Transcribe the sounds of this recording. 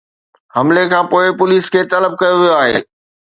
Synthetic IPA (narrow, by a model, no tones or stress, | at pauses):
hɐmlekʰãːpoːɪpʊliːskʰeːt̪ɐləb̚kɐjoʋijoaːɦḛː